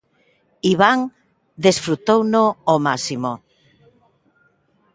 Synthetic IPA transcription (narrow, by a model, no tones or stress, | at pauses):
iβaŋ | d̪esfɾut̪ownoomasimo